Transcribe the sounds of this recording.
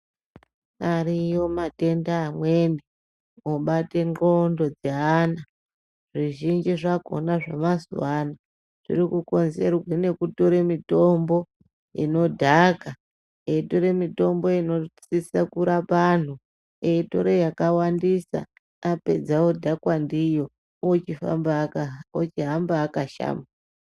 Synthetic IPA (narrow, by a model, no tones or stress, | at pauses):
aɾijo̞mate̞ndaːmwende | oɓate̞ŋrondo̞d͡zeɦaːna | ʐ̥iʒind͡ʒiʐako̞̰naʐamazṵwana | ʐ̥ḭɾikuko̞nze̞rwene̞kutoɾemito̞mbo̞ | ḭno̞dʱaka | eitoɾemito̞mbo̞ino̞t͡sisakuɾapan̤u | eito̞̰ɾejakawandisa̰ | ape̞d͡zawo̞dʱakwandijo̞ | ot͡ʃifa̰mbot͡ʃiɦambaːkaʃa̰ːma